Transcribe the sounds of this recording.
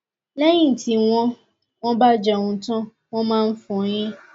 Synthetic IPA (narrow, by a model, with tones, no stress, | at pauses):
lɛ˦j̃ĩ˦n̩˨ti˨w̃ɔ̃˦ | w̃ɔ̃˦ba˦˨d͡ʒɛ˨w̃ũ˧tɔ̃˦ | w̃ɔ̃˦mãː˦˧n̩˦fũ˨˦j̃ĩ˦